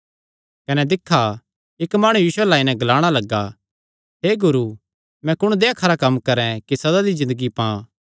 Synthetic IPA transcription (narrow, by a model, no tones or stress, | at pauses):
kɐnɛd̪ɪkʰːa | ɪkmaːɽ̃ujiːsʊwɛlaːinɛ̃ɡɐlaːɽ̃alɐɡːa | ɦeːɡʊɾu | mɛ̃kʊɽ̃d̪eːakʰɐɾakɐmːkɐɾɛ̃kisɐd̪ad̪izɪ̃nd̪əɡipã